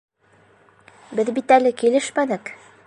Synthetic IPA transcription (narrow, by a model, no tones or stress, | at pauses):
bɘðbit̪ælɘkilɘʃmænɘk